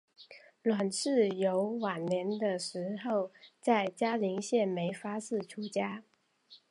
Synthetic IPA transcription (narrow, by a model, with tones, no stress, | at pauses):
lwa˨˩nʂɻ̩˥˩jo˧˥ʊwa˨˩nnjɛ˧˥nd̪ə˧ʂɻ̩˧˥xo˥˩ʊt͡sa˥˩ɪt͡ɕja˥li˧˥ŋɕjɛ˥˩nme˧˥ɪfa˥sɹ̩˥˩ʈ͡ʂʰu˧˥t͡ɕja˥